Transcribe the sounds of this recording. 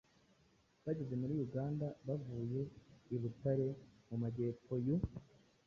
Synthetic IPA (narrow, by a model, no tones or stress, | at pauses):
βaɟe̞ze̞muɾijuɡaːndaβavuːje̞iβutaɾe̞mumaɟe̞ːpo̞ju